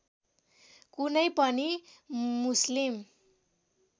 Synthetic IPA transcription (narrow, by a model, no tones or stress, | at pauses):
kunʌjpʌni | muslim